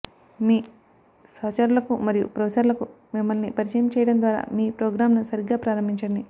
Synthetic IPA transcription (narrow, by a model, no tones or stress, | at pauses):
miː | sɐːt͡ʃɐɾulɐkumɐɾijṵpɾɐːsɐɾlɐku | mimːɐlnipɐɾit͡ʃɐjɐmt͡ʃɛːjɐɽɐnd̪ʋaːɾa̰ːmiːpɾoːɡɾaːmnusɐɾiɡaːpɾaːɾɐmbʱiɲt͡ʃɐɽɐɳɖi